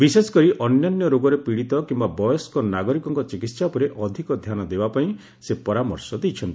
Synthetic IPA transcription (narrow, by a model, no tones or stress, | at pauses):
bisesɔ̥kɔɾiʔɔnjɔnjɔɾoɡɔɾepiɽit̪ɔkimbabɔjɔskɔnaɡɔɾikɔŋkɔt͡ʃikit̪sapɔɾeʔɔd̪ʱikɔd̪ʱjanɔd̪ebapaĩ | sepɔɾamɔɾsɔd̪ejt͡ʃʰɔnt̪ii